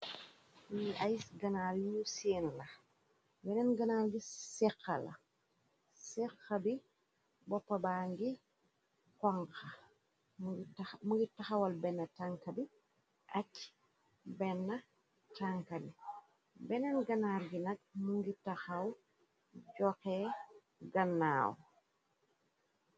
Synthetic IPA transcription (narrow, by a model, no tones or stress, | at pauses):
wiajisɡɐnaljusinlɐ | bɛnɛnɡɐnalɡisɛxɐlɐ̰ | sɛkːɐbi | bɔpːɐbaːŋɡi | kɔŋka | muŋɡitaxawalbɛnːɐtaŋkɐbi | ʔat͡ʃː | bɛnːɐ | taŋkɐbi | bɛnɛnɡɐnaɾɡinɐk̚muŋɡitaxaw | ɟɔkɛ | ɡanːaːw